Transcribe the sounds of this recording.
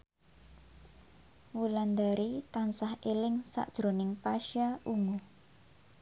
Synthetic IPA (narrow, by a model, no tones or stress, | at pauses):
wuland̪aɾit̪ansahelɪŋsa̰ʔd̥ʒ̥ɾonɪŋpaʃaʔuŋu